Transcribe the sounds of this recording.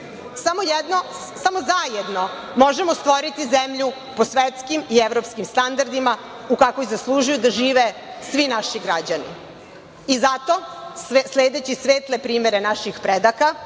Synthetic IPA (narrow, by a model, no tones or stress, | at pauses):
samojed̪no | samo̞zajed̪no̞ | mo̞ʒemost̪ʋo̞ɾit̪izemʎu | posʋet̪skimieʋɾopskimst̪and̪aɾd̪ima | ukakojizaslˠuʒujud̪aʒiːʋesʋinaʃiɡɾad͡ʑanḭ | izat̪o̞sleːd̪et͡ɕisʋeːt̪lepɾiːme̞ɾenaʃixpɾed̪aka